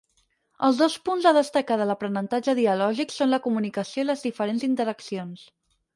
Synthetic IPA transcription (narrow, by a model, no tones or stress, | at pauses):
əlˠzðospunzðəðəst̪əkaðələpɾənənt̪ad͡ʒəðiəlɔʒiksonləkumunikəsioiləzðifəɾenzint̪əɾəksions